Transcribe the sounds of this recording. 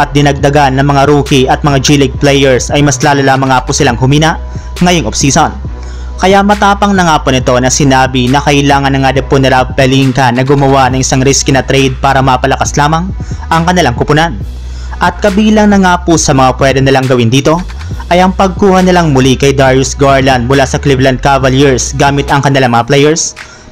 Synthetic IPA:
ʔɐt̪̚d̪ɪnɐɡ̚d̪ɐɡanːɐŋmɐŋaɾuːkiʔɐt̪̚mɐŋad͡ʒilɪɡ̚plɛjɛɹsɐjmɐslaːlolaːmɐŋːaːpʊsɪlaŋhʊmiːnɐʔ | ŋɐjoŋʔobsiːson | kɐjaʔmɐt̪aːpɐŋnɐŋaːponɪt̪o̞nɐsɪnaːbinɐkɐʔɪlaːŋɐnːɐŋad̪ɐpʊnɐɾapɛliŋkɐnɐɡʊmɐwanɐŋʔɪsaŋɾiskinɐt̪ɾɛjd̪̚paːɾɐmɐpɐlɐkɐslaːmɐŋ | ʔɐŋkɐnɪlaŋkʊpʊnan | ʔɐt̪̚kɐbiːlɐŋnɐŋaːpʊsɐmɐŋapwɛd̪ɛnɪlaŋɡɐwɪnd̪iːt̪o̞ | ʔɐjɐŋpɐɡ̚kuːhɐnɪlaŋmʊlikɐjd̪aɹjʊsɡaɹlɐnd̪̚mʊlasɐklɪvlɐn̚kavɐljiɹsɡaːmɪt̪ɐŋkɐnɪlaŋmɐŋaplɛjɛɹs

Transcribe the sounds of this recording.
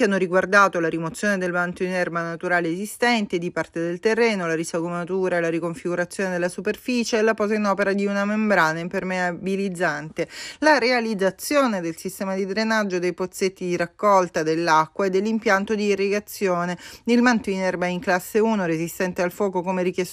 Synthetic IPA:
anːoɾiɡward̪aːt̪olaɾimot̪sjoːned̪elmant̪oinɛrbanat̪uɾaːleːzist̪ɛnt̪ed̪ipart̪ed̪elt̪erːɛːnolaɾisaɡomat̪uːɾaelaɾikoɱfiɡuɾat̪sːjoːned̪elːasuperfiːt͡ʃeːlapɔːzainɔːpeɾad̪iunamembɾanampermeabilid̪zːant̪elaɾealid̪zat̪sːjoːned̪elsist̪ɛːmad̪id̪ɾenad͡ʒːod̪ejpot̪sːet̪ːid̪iɾakːɔlt̪ad̪elːakːwaed̪ːelːimpjant̪od̪iːrːeɡat̪sːjoːned̪ilmant̪oinɛrbaiŋklasːeuːnoɾezist̪ɛnt̪ealfɔːkokomerik̟jɛs

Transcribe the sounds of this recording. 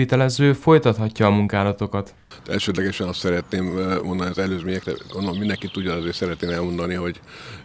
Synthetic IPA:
it̪ɛlɛzøːfo̞jt̪ɒt̪hɒcːɒːmuŋkaːlɒt̪o̞kɒt̪ | ɛ̰lʃøːd̪lɛɡɛʃɛnɒst̪sɛɾɛt̪neːmmo̞nd̪ɒniɒzɛløːzmeːɲɛkrɛ̰ɡodolomind̪ɛŋkit̪ːuɟːɒnɛzeːsɛɾɛt̪neːmɛlmo̞nd̪ɒniɦo̞ɟ

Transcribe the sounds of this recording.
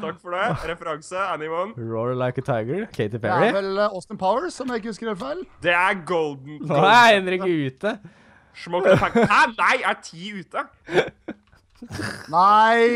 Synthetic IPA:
t̪ʰɑkːfɔɖɛɾɛfəɾɑŋsəænɪʋɔnɹoːɹlaɪkət̪ʰaɪɡəɹkʰɛɪt̪ɪfɛæɹɪʋɛlɔst̪ənpʰaʊəɹsɔmjæɪk̬ːəhʉskəɾelʋæɪld̪̥ɛæɾɡɔld̪n̩nɛnːəɾɪkːəʉːt̪ə | ʂmɔkʰnæɪæʈʰiːʉːt̪ə | næɪ

